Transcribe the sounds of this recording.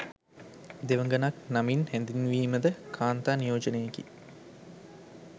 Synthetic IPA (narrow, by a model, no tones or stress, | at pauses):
d̪eʋəŋɡənaknaminhænd̪inʋiːməd̪əkʰaːnt̪aːnijoːd͡ʒənejekḭ